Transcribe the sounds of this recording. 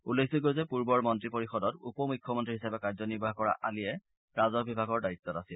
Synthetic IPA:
ulːekʰziɡojzɛpuɹbɔɹmɔntɹipoɹixɔdɔtupɔmujkʰːjɔmɔntɹiɦisapɛkaɹzɔniɹbʱaɦkɔɹa̰ʔalijɛ | ɹazɔbibʱaɡɔɹdait̪ːɔtasil

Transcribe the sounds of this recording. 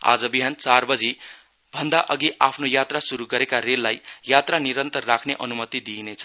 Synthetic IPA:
a̰d͡zʌbiɦant͡sarbʌd͡zi | bʱʌnd̪aʔʌɡiapʰnojat̪rasuɾuɡʌɾekaɾelːajjat̪raniɾʌnt̪ʌrːakʰneʔʌnumʌt̪id̪inet͡sʰʌ

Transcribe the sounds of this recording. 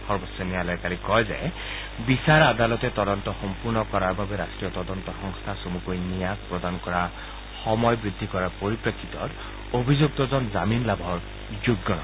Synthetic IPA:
xɔɹbɔsɛnijalɔjkalikɔjzɛ̰ | bisaɹad̪alɔt̪ɛt̪ɔd̪ɔnt̪ɔxɔmpuɹnɔkɔɹaɹbabɛɾasʈɹijɔt̪ɔdɔnt̪ɔxɔŋst̪ʰasomukojnijak̚pɹɔd̪ankɔɹa | xɔmɔjbɹid̪ʱːikɔɹapoɹipɹakʰːit̪ɔ̰t | obʱizuk̚t̪ɔzɔnzaminlabʱɔɹ | zuɡːɔnɔ̰

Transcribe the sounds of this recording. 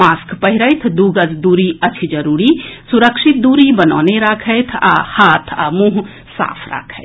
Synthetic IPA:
maːskpəɦiɾəjt̪ʰd̪uːɡəd͡ʒd̪uːɾiət͡ʃʰid͡ʒəɾuːɾisuɾəkʃit̪̚d̪uːɾibənɔ̰ːneɾakʰəjt̪ʰa̰haːt̪ʰa̰mũːɦ | sa̰ːpʰɾa̰kʰəɪt̪ʰ

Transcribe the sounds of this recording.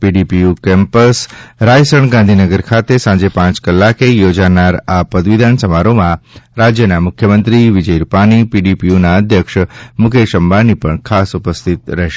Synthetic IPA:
piɖipijukɛ̃mpəsɾajsəɳɡãnd̪ʱinəɡəɾkʰat̪esãɲd͡ʒepãt͡ʃkəlːakejod͡ʒanaɾapəd̪ʋid̪ʱansəmaɾomãɾad͡ʒjənamʊkʰjəmə̃nt̪ɾiʋid͡ʒəjɾupanipiɖipijunaəd̪ʱjəkʃmʊkʰeʃəmbanipəɳkʰasupəst̪ʰit̪ɾɛɦʃe

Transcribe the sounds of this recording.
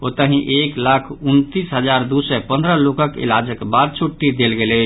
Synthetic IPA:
ot̪əɦĩʔeklakʰunt̪isɦəd͡ʒaɾd̪usɛpənd̪ɾəlokəkḭlad͡ʒəkbad̪̚t͡ʃʰuʈːid̪elɡeləɪt͡ʃʰ

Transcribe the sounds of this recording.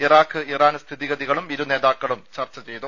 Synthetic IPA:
iraːkʰːɨiraːnst̪ʰiðiɣɐðiɣɐɭumiɾune̞ːðaːkːɐɭumt͡ɕɐrt͡ɕːɐt͡ɕe̞jt̪u

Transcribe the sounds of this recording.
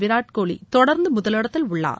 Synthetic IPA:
ʋɪɾaːʈkoːɭḭt̪ɔɽɐɾnd̪ɯmʊðɐlɪɽɐt̪ːɪlʊɭːa̰ː

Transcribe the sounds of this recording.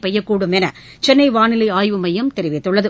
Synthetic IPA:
pɐjːɐkːuːɽɯmɛnɐ | t͡ʃɛnːɐɪʋaːnɪlɐɪaːjʋɯmɐjɐmt̪ɛɾɪʋɪt̪ːɯɭːɐðɯ

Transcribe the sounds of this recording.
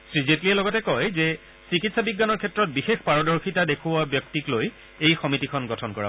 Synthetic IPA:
sɹizetliɛlɔɡɔtɛkɔjzɛ | sikitsabiɡːanɔɹkʰɛtɹɔt̚bixexpaɹɔdɔɹxitadekʰuwabjɔk̚tikloj | ejxɔmitikʰɔnɡɔtʰɔnkɔ̰ɹa̰

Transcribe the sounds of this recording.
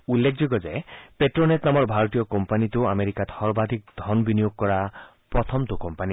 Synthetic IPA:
ulːekʰd͡ʒiɡɔd͡ʒaepeʈɾonet̪namɔɾbʱaɾɔt̪ijɔkɔmpanit̪uameɾikat̪hɔɾbad̪ʱik̚d̪ʱɔnbinijoɡ̚kɔɾa | pɾɔt̪ʰɔmt̪ukɔmpani

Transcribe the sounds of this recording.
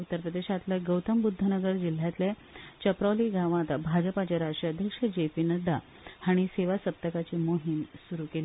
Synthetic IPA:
ut̪ːəɾpɾəd̪eɕat̪leɡəwt̪əmbud̪ʱːənəɡəɾd͡ʑil̤ːjat̪le | t͡ɕəpɾaliɡʱaʋãt̪abʱad͡ʑəpat͡ɕaɾasʈɾiəd̪ʱjəkʂəd͡ʑepiːnəd̪a | haɽ̃iseʋasəp̚t̪əkat͡ɕiːmoɦiːnsuɾukeli

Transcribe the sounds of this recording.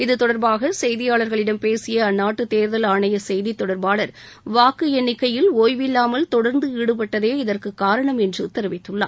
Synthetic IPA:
ɪðɯt̪ɔɽɐɾbaːɣɐsɛjðɪjaːɭɐɾɣɐɭɪɽɐmpeːsɪjɐːnːaːʈːɯt̪eːɾðɐlaːɳɐjɐsɛjðit̪ːɔɽɐɾbaːɭɐɾ | ʋaːkɪjɐnːɪkːɐjɪloːjʋɪlːaːmɐlt̪ɔɽɐɾnd̪ɯɪɽɯpɐʈːɐðeːɪðɐrkɯkːaːɾɐɳɐmɛndrɯt̪ːɐɾɯʋɪt̪ːɯɭːa̰ː

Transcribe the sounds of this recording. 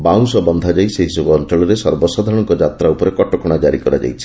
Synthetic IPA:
baw̃sɔbɔnd̪ʱad͡ʒajseɦisɔbɔɔnt͡ʃɔɭɔɾesɔɾbɔsad̪ʱɔɽ̃ɔŋkɔd͡ʒat̪ɾaupɔɾekɔʈɔkɔɽ̃ad͡ʒaɾikɔɾad͡ʒa̰jt͡ʃʰi̥

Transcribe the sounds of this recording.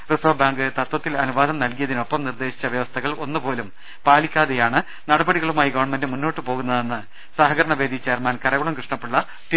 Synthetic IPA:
rɨsɐbaːŋɡɨt̪ɐt̪wɐt̪ːilɐnuʋaːd̪ʱɐmnɐlkijɐðino̞pːɐmnird̪e̞ːɕi̥t͡ɕːɐʋjɐʋɐst̪ʰɐɣɐɭo̞nːɨpo̞ːlum | paːlikʲːaːðejaːɳɨ | nɐɽɐbɐɽiɣɐɭumaːjiɡɐʋɐɳmendɨmunːo̞ːʈːɨpo̞ːɣunːɐðenːɨ | saːɦɐɡɐɾɐɳɐʋeːd̪ʱit͡ɕːe̞ːrmaːnkɐɾɐɣuɳɐmkrɨʂɳɐpːuɭːɐ | t̪i

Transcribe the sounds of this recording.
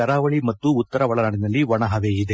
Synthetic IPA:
ɐɾaːʋɐɭimɐt̪ːuːt̪ːɐɾɐʋɔɭɐɾaːɳinɐlːiʋɐɳɐɦɐʋeːid̪e

